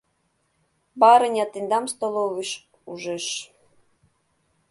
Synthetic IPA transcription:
bɑɾɤ̆nʲɑt̪ind̪ɑmst̪olˠoviʃ | uʒĕʃ

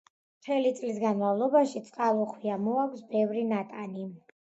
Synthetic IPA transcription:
mt̪ʰɛlit̪sʼlis̬ɡanmavlˠɔbaʃit̪sʼqʼalˠɔχwiamɔakʷʰsbɛvɾinat̪ʼani

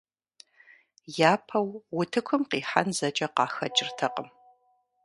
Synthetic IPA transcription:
jaːpʰɐwwʊtʰɨkʷʊmqiːħa̰nzɐt͡ʃʼɐqɑːxɐd͡ʒʼɪrtʰɐqəm

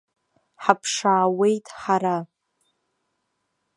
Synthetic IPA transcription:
ħapʰʂaːwe̞jtʼħaɾa

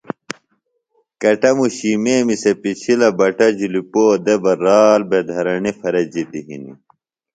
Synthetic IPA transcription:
kɐʈɐmuɕimeːmisepit͡ɕʰilɐbɐʈɐd͡ʑilipoːd̪ebɐɾaːlbed̪ʱɐɾɐɳifɐɾɐd͡ʑid̪iɦḭnḭ

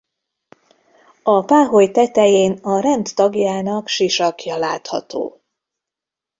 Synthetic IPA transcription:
ɒpaːɦo̞jt̪ɛt̪ɛjeːnɒɾɛnt̪ːɒɡjaːnɒkʃiʃɒkjɒlaːt̪hɒ̰t̪o̰ː

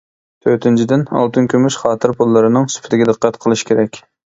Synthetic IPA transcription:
t̪ʰøɾt̪ʰynt͡ʃʰid̪ɪnɑ̰lˠt̪ʰɨnkʲømyʃχɑːt̪ʰɨɾpʰulˠːɨɾɨnɨŋsy̥pʰɪt̪ɪɡʲɛd̪əqːɑt̪qʰəlˠɨʃkʲʰeɾɛkʲ

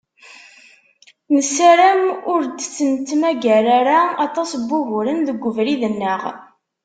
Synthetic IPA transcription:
nəsæɾæmʊɾd̪t͡sːənt̪mæɡæɾaɾaɑt̪ˤɑsbːʊɦʊɾənðəɡʷːəvɾiðənːəʁ

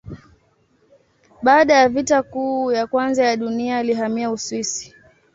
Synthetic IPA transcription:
ɓaːɗajavitakuːjakwanzajaɗuniaːliɦamiauswisi̥

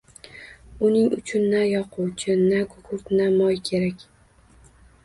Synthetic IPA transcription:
ʊnɪŋʊt͡ʃʰʊnːajɒqʰuwt͡ʃʰɪnakʰʊkʰʊɾt̪namɒjkʲʰe̞ɾakʲ

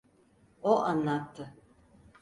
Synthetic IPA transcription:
oʔanlˠat̪ʰːɯ

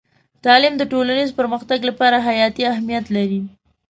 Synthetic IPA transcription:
t̪ɑlɪmd̪əʈolanizpəɾməxt̪aɡlapɑɾaɦajɑt̪iaɦmijat̪laɾi

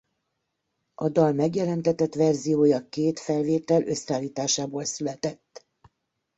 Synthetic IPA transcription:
ʔɒd̪ɒlmɛɡjɛlɛnt̪ɛt̪ɛt̪ʋɛrzijoːjɒkeːt̪fɛlveːt̪ɛlʔø̞saːlːiːt̪aːʃaːboːlsylɛt̪ɛt̪ː

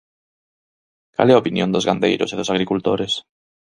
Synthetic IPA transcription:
ka̰lɛaopinjõ̰nd̪ozɣand̪ḛjɾʊ̰seðosaɣɾikult̪oɾes

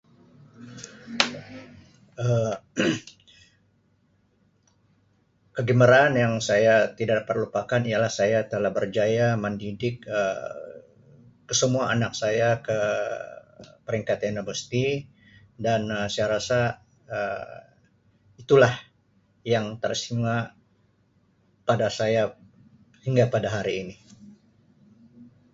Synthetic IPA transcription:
ə | kəɡəməɾaːnjaŋsajat̪idaʔdapat̪̚lupakanijalahsajat̪əlahbərd͡ʒajaməndidɪkə | əsəmuaːnak̚sajakə | pəɾiŋkat̪anobəst̪i | danəsajaɾasa | ə | it̪ulah | jaŋt̪ərsima | padasaja | hiŋɡapadaɦaɾiːni

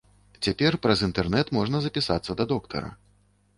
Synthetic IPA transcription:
t͡sʲapʲɛrpɾɐzint̪ɛrnɛt̪mɔʐnɐzɐpʲisat̪sːɐd̪ɐd̪ɔkt̪ʰɐ̰ɾɐ̰

